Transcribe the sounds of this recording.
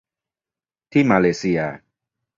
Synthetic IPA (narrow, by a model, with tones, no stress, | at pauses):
t̪ʰi˥˦˨ma˧le˨si˧a˨